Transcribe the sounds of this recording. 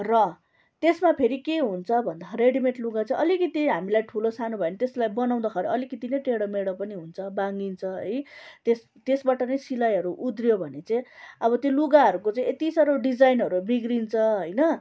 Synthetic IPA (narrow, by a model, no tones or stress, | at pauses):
rʌ | t̪esmapʰeɾikeɦunt͡sʰʌbʱʌnd̪aɾeɽimeʈluɡat͡sʌĩʔʌlikʌt̪iɦamilajʈʰulosanubʱʌenʌt̪eslajbʌnaw̃d̪akʰʌɾʌʌlikʌt̪inʌjʈeɽʌmeɽʌpʌniɦunt͡sʰʌbaŋɡint͡sʰʌɦʌjt̪es | t̪esbaʈʌnʌjsilajɦʌɾuʔud̪rjobʱʌnet͡sʌj̃ʌbʌt̪joluɡaɦʌɾukot͡sʌj̃et̪isʌɾoɖid͡zajnɦʌɾubiɡɾint͡sʰʌɦojnʌ